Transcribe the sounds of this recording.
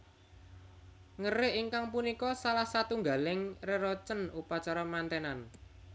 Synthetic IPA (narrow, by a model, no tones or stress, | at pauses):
ŋəɾɪʔiŋkaŋpunikɔsalahsat̪uŋɡa̤lɪŋreɾɔt͡ʃənupat͡ʃaɾɔmant̪ɛnan